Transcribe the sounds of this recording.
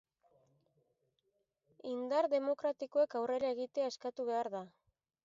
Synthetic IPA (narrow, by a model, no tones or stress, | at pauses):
ind̪aɾðe̞mo̞kɾat̪iko̞ekawre̞ɾae̞ɣit̪eae̞skat̪uβe̞aɾða